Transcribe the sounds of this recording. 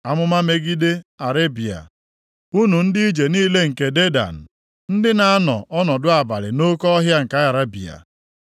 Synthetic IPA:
a˦mʊ˦ma˦me˦ɡi˦de˦a˨ɾe˦bi˨a̰˨ | u˦nu˨n̩˦di˦i˦d͡ʒe˨niː˦le˦ŋ̩˨ke˨de˦da̰˨n̩˨ | n̩˦dɪ˦na˨a˦nɔ̰˨ʔɔ˦nɔ˨dʊ˦a˨ba˨lɪ̰˨no˦kɔ˦ɦja˦ŋ̩˨ka˦a˨ɾa˦bi˨a̰˨

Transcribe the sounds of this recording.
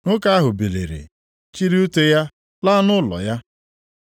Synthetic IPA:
ŋʊ˦ka˦a˦ɦʊ˨be˨lḛ˨ɾḛ˨ | t͡ʃi˦ɾi˦u˦te˦ja˦ | la˦nʊ˦lɔ̰˨ja˦

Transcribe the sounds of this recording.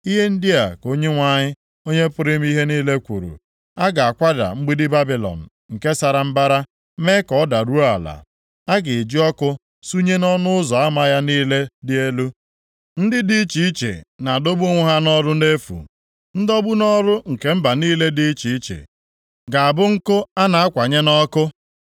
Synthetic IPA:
i˦ɦe˦n̩˦dɪ˦a˨ko˦ɲe˦ŋʷa˦ɲɪ˦ | o˦ɲe˦pʊ˦ɾɪ˦m̩˦i˦ɦe˦niː˦le˦kʷṵ˨ɾṵ˨ | a˦ɡa˨a˨kʷa˦da̰˨ŋ͡m̩˦ɡ͡bi˦dɪ˦ba˦bi˨lɔ̰˨n̩˨ | ŋ̩˨ke˦sa˨ɾa˨m̩˦ba˦ɾa˦ | me˦kɔ˨˦da˨ɾu˦a̰˨la̰˨ | a˦ɡɪ˨d͡ʒi˦ɔ˦kʊ˦ | su˦ɲe˦nɔ˦nʊ˦ʊ˦zɔ˨a˦ma˦ja˦niː˦le˦dɪ˦e˦lu˦ | n̩˦dɪ˦di˦t͡ʃi˨i˦t͡ʃḛ˨na˨do˦bu˦ŋʷʊ˦ɦa˦nɔ˦ɾʊ˦ne˦fṵ˨ | n̩˦dɔ˦bu˦nɔ˦ɾʊ˦ŋ̩˨ke˨m̩˦ba˨niː˦le˦di˦t͡ʃi˨i˦t͡ʃḛ˨ | ɡa˨a˨bʊ˦ŋ̩˦kʊ˦a˦na˨a˦kʷa˨ɲe˦nɔ˦kʊ˦

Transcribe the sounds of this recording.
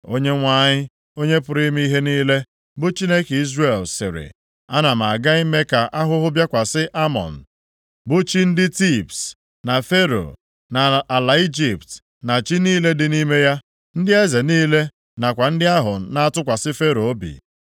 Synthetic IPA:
o˦ɲe˦ŋʷa˦ɲɪ˦ | o˦ɲe˦pʊ˨ɾi˦m˦i˦i˦ɦe˦niː˦le˦ | bʊ˦t͡ʃi˦ne˦ke˨i˦zre˨lsɪ̰˨ɾɪ̰˨ | a˦na˨m̩˨a˨ɡa˦i˦me˦ka˨ʔa˦ɦʊ˦ɦʊ˦bja˦kʷa˨sɪ˦ʔa˦mɔ̰˨n̩˨ | bʊ˦t͡ʃi˦n̩˦dɪ˦ti˦˨pt | na˨fe˦ɾo̰˨ | na˨a˨la˨i˦d͡ʒi˨pt | na˨t͡ʃi˦niː˦le˦dɪ˨ni˦me˦ja˦ | n̩˦dɪ˦e˦ze˨niː˦le˦ | na˨kʷa˨n̩˦dɪ˦a˦ɦʊ˨na˦a˦tʊ˦kʷa˨sɪ˦fe˦ɾo˨˦bḭ˨

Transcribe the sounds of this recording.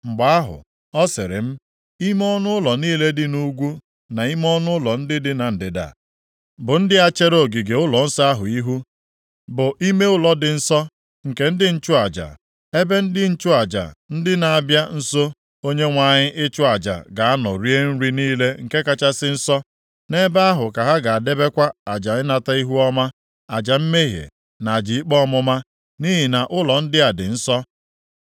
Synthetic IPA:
ŋ͡m̩˨ɡ͡ba˨a˦ɦʊ̰˨ | ɔ˦sɪ̰˨ɾɪ̰˨m̩˦ | i˦m˦ɔ˦nʊ˦ʊ˦lɔ˨niː˦le˦dɪ˦nu˦ɡʷu˦ | na˨i˦m˦ɔ˦nʊ˦ʊ˦lɔ˨n̩˦dɪ˦dɪ˦na˨n̩˨dɪ˨da̰˨ | bʊ˨n̩˦dɪ˦a˦t͡ʃe˦ɾo˦˨ɡi˨ɡe˨ʊ˦lɔ˨n̩˦sɔ˦a˦ɦʊ˨i˦ɦu˦ | bʊ˨ʔi˦me˦ʊ˦lɔ˦dɪ˨n̩˦sɔ˦ | ŋ̩˨ke˦n̩˦dɪ˦n̩˦t͡ʃʊ˦a˨d͡ʒa̰˨ | e˦be˦n̩˦dɪ˦n̩˦t͡ʃʊ˦a˨d͡ʒa̰˨n̩˦dɪ˦na˨a˨bja˦n̩˦so˦ | o˦ɲe˦ŋʷa˨ɲɪ˦ʔɪ˦t͡ʃʊ˦a˨d͡ʒa̰˨ɡa˨a˦nɔ̰˨ɾi˦e˦n̩˦ɾi˦niː˦le˦ŋ̩˨ke˦ka˦t͡ʃa˦sɪ˦n̩˦sɔ˦ | ne˦ba˦a˦ɦʊ˨ka˨ɦa˦ɡa˨a˨de˦be˦kʷa˦a˨d͡ʒa˨ɪ˦na˦ta˦i˦ɦu˦ɔ˦ma˦ | a˨d͡ʒa˨m̩˦me˦ɦjḛ˨ | na˨a˨d͡ʒi˨i˦k͡pɔ˦mʊ˦ma˦ | ni˦ɦi˨na˨ʔʊ˦lɔ˨n̩˦dɪ˦a˨dɪ̰˨n̩˦sɔ˦

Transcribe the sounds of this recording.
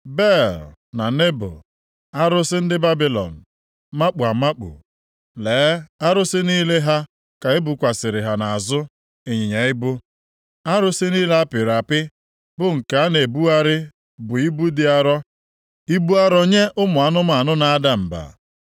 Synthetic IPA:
be˦˨lna˨ne˦bʊ̰˨ | a˦ɾʊ˦sɪ˦n̩˦dɪ˦ba˦bi˦lɔ̰˨n̩˨ | ma˦k͡pu˨a˨ma˦k͡pṵ˨ | leː˨˦a˦ɾʊ˦sɪ˦niː˦le˦ɦa˦ | ka˨ɪ˦bʊ˨kʷa˨sɪ˨ɾɪ˨ɦa˨na˨a˨zʊ˦ | e˨ɲi˨ɲe˨ɪ˦bʊ˦ | a˦ɾʊ˦sɪ˦niː˦la˦a˦pɪ˨ɾa˨pɪ˦ | bʊ˦ŋ̩˨ka˨a˦ne˨bu˦a˦ɾɪ˦ | bʊ˨i˦bu˦dɪ˦a˦ɾɔ˦ | i˦bu˦a˦ɾɔ˦ɲe˦ʔʊ˦mʊ˨a˨nʊ˦ma˨a˨nʊ˦na˨a˦da˨m̩˨ba̰˨

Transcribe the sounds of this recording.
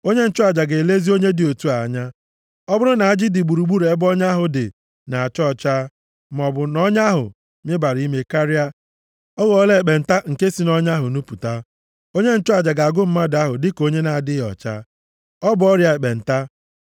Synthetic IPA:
o˦ɲe˦n̩˦t͡ʃʊ˦a˨d͡ʒa˨ɡe˨le˦zi˦o˦ɲe˦dɪ˨o˨tu˦a˨a˦ɲa˦ | ɔ˦bʊ˦ɾʊ˦na˨a˦d͡ʒɪ˦dɪ˨ɡ͡bu˨ɾu˨ɡ͡bu˦ɾe˦bɔ˦ɲa˦ɦʊ˨dɪ̰˨ | na˨a˨t͡ʃɔ˦˨t͡ʃa˦ | m˨ɔ˨bʊ˨nɔ˦ɲa˦ɦʊ̰˨ | mɪ˦ba˨ɾi˦me˦ka˦ɾɪ˦a˦ | ɔ˦ɣɔ˦le˦˨k͡pe˨n̩˨ta˦ŋ̩˨ke˦si˨nɔ˦ɲa˦ɦʊ˨nu˦pu˨ta˦ | o˦ɲe˦n̩˦t͡ʃʊ˦a˨d͡ʒa˨ɡa˨ɡʊ˦m̩˦ma˦da˦ɦʊ˨dɪ˦ko˦ɲe˦na˨a˨dɪ˦˨ɔ̰˨t͡ʃa̰˦ | ɔ˦bʊ˨˦ɔ˦ɾja˨e˨k͡pe˨n̩˨ta˦

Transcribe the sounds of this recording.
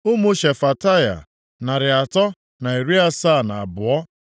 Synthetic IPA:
ʊ˦mʊ˦ʃe˨fa˨ta˦ja̰˨ | na˨ɾɪ˨a˨tɔ˦ | na˨e˨ɾi˦a˦saː˦˨na˨a˨bʊ˨ɔ˦

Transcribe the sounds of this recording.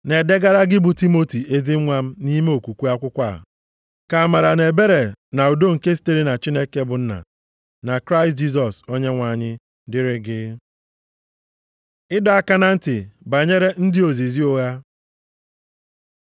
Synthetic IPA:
ne˨de˦ɡa˦ɾa˦ɡɪ˦bʊ˨ti˦mo˦ti˨ʔe˦zi˦ŋʷa˦m̩˦ni˦me˦o˨kʷu˨kʷu˦a˦kʷʊ˦kʷa˦˨ | ka˨a˨ma˨ɾa˨ne˨be˦ɾe˨na˨u˨do˦ŋ̩˨ke˦s̬i̥˦te˦ɾi˦na˨t͡ʃi˦ne˦ke˦bʊ˨n̩˦na̰˨ | na˨kɾa˦ɪ˨st̬̚d͡ʒi˦s̬ɔ˨so˦ɲe˦ŋʷa˨ɲɪ˦ | dɪ˦ɾɪ˦ɡɪ˦ | ɪ˦da˨a˦ka˦na˦n̩˦tɪ˨ba˨ɲe˦ɾe˦n̩˦dɪ˦o˨zi˨zi˦o˦ɣa˦

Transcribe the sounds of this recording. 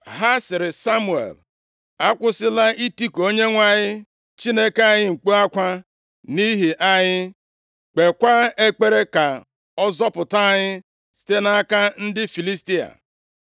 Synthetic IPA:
ɦa˦sɪ˨ɾɪ˨sa˦mu˨ḛ˨l | a˦kʷʊ˦sɪ˦la˦i˦ti˦ko˦ɲe˦ŋʷa˦ɲɪ˦ | t͡ʃi˦ne˦ke˦a˦˨ɲɪ˦ŋ̩˨k͡pu˦a˦kʷa˦ | ni˦ɦi˨ʔa˦ɲɪ˦ | k͡pe˨kʷa˦e˦k͡pe˦ɾe˦ka˨ | ɔ˦zɔ˦pʊ˨ta˦ɲɪ˦ | si̥˨te˦na˦ka˦n̩˦dɪ˦fi˨li˦sti˦a̰˨

